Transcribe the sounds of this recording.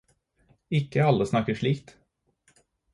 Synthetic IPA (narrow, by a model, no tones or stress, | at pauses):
ɪkːəalːəsnɑkːəʂɭiːkt̪